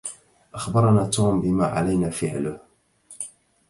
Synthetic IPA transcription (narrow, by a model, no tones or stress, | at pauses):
ʔaxbɑɾˤnaːt̪uːmbɪma̰ːʕa̰lajnaːfɪʕlʊh